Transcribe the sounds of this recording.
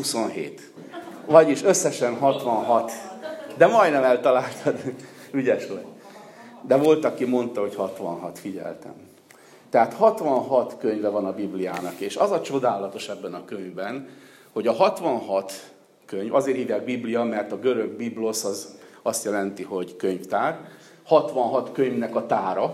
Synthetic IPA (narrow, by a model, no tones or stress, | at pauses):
huso̞nɦḛːt̪ | vɒɟiʃøsːɛʃɛnɦɒt̪ʋɒnɦɒt̪d̪ɛmɒjd̪nɛmɛlt̪ɒlaːlt̪ʰɒd̪yɟɛʃo̰j | d̪ɛvo̞lt̪ɒkimo̞nt̪ɒɦo̞chɒt̪ʋɒ̰nɦɒt̪fiɟɛ̰lt̪ɛ̰m | t̪ɛɦaːt̪hɒt̪ʋɒnɦɒt̪køɲvɛvɒnɒbiblija̰ːnɒkeːʃɒzɒt͡ʃo̞d̪aːlɒt̪o̞ʃɛbːɛnɒkøɲvbɛn | ho̞ɟɒɦɒt̪ʋɒnɦɒt̪ | køɲvɒzeːɾiːvjaːɡ̚biblijɒmɛrt̪ɒɡøɾøɡ̚biblo̞sɒzɒst̪jɛlɛnt̪iɦo̞ɟkøɲft̪aːr | hɒt̪ʋɒnɦɒt̪køɲvnɛkɒt̪aːɾɒ